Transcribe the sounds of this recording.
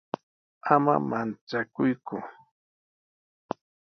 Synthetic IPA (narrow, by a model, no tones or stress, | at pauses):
ama̰mant͡sakʊjkʊ